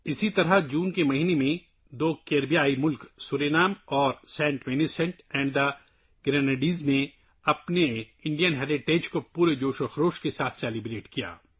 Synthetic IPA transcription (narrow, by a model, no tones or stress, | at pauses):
ɪsit̪ɐɾɐd͡ʒuːnkemɐɦiːnemẽ | d̪oːkeːɾbijaːimʊlksuːɾeːnaːmɔːɾsɛ̃ːɳʈʋeːnisɛ̃ɳʈɛ̃ːɳɖd̪ɐ | ɡ̥ɾɛːneɖiːznẽ | ɐpne | ɪ̃ɳɖijənɦɛːɾɪʈeːd͡ʒkopuːɾed͡ʒoːʃoxɾoːʃkesaːt̪ʰsɛːlibɾeːʈkija̰ː